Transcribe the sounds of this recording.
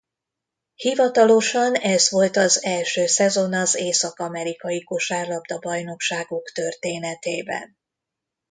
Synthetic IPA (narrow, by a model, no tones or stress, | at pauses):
hivɒt̪ɒlo̞ʃɒnɛzʋo̞lt̪ɒzɛlʃøːsɛzo̞nɒzeːsɒkɒmɛɾikɒjikoʃaːrlɒbd̪ɒbɒjno̞kʃaːɡokt̪ø̞rt̪eːnɛt̪eːbɛ̰n